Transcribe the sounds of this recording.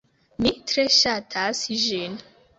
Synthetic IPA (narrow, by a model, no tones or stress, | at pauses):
mitɾeʃatʰasʒin